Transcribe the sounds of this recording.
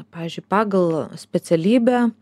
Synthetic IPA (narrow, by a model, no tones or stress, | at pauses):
pɑːʋʲiːzʲd͡ʒʲʊɪpɑːɡɐlˠsʲpʲɛt̪sʲɛlʲiːbʲæ